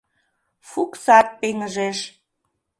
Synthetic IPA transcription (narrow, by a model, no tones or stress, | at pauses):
fuksɑt̪̚peŋəʒeʃ